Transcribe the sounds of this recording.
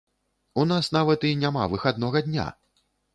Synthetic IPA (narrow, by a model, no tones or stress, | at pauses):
unasnavɐt̪inʲama̰vɨxad̪̚nɔɣɐd̪ʲnʲa̰